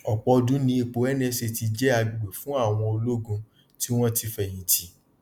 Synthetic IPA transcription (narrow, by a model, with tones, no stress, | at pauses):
ɔ˨k͡pɔ˧dũ˨˦nĩ˧˦i˧k͡po˨˦ɛ˦nɛ̃˦ʃe˧ti˧d͡ʒɛ˦a˧bi˨ɡ͡be˨fũ˦a˦˨w̃ɔ̃˧o˧lo˦ɡũ˧ | ti˦w̃ɔ̃˦ti˧fɛ˦˨j̃ĩ˨ti˨